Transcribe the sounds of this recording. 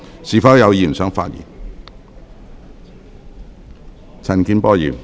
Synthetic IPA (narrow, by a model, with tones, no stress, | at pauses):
siː˨˩fɐ˨˥wjɐ˨˧wjiː˨˩nsœː˨˥ŋfa̰ː˧t̚jḭː˨˩n | t͡sʰɐ˨˩nkiː˧npɔː˥jḭː˨˩n